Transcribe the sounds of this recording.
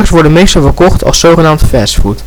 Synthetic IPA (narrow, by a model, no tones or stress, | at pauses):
ksʋɔɹdənmejstɔlˠvəɹkɔχtʰɑ̰lˠsːowχənaːmtfɛːsfut